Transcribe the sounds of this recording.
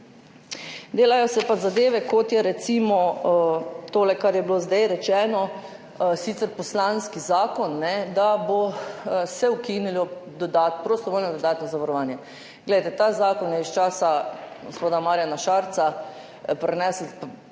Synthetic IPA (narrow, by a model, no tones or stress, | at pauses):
d̪eːlajɔsɛpazad̪eːʋɛkot̪jɛɾɛt̪simɔ | t̪oːlɛkaɾjɛbilozd̪ajɾɛt͡ʃɛːnɔ | sit̪sɛɾpɔslanskizaːkɔnːɛd̪abosɛwkinilɔd̪ɔd̪at̪pɾost̪ɔʋoːlnɔd̪ɔd̪aːt̪nɔzaʋaɾɔʋaːnjɛ | ɡlɛjt̪ɛt̪aːzaːkɔnjɛist͡ʃaːsaɡospoːd̪amaːɾjanaʃaːɾt̪sa | pɾɛnɛːslp